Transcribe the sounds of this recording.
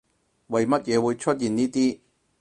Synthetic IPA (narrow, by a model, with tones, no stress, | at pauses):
wɐ˨jmɐ˥t̚jɛː˨˧wuː˨˧jt͡ʃʰɵ˥t̚jiː˨˩nniː˥t̪iː˥